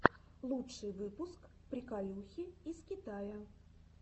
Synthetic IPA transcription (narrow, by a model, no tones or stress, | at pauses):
lˠut͡ʂt͡ʂɨjvɨpuskpɾʲikalʲuxʲiiskʲit̪ajɐ